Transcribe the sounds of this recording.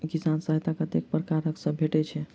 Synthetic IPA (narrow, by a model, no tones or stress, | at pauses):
kisansəɦet̪akət̪ek̚pɾəkaɾəksə̃bʱeʈɛt͡ʃʰɛ